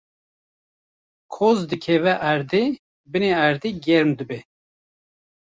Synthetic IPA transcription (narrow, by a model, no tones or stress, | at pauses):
kʰozd̪ɨkʰɛvɛʔæɾd̪e | bɨneæɾd̪eɡɛɾmd̪ɨbɛ